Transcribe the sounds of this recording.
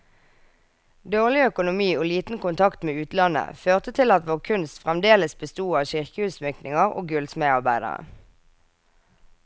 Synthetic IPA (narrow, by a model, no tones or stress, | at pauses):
d̪oːʁlɪœkʊnʊmiːoːliːt̪n̩kʊnt̪ʰɑkt̪meːʉːt̪lɑnə̰føːʁt̪ət̪ʰɪlɑt̪ʋoːʁkʰʉnst̪fʁɛmd̪eːləsbəst̪uːɑːʋʃɪʁkəhʉsmʏknɪŋəʁo̰ːɡʉlsmeːɑʁbæɪd̪ə̰ʁə̰